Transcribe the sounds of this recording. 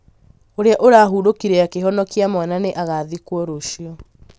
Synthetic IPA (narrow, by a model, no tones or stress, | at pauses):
oɾeaʔoɾaɦuɾokiɾɛakeɦɔnɔkiamwananeʔaɣaðikwɔɾoʃiɔ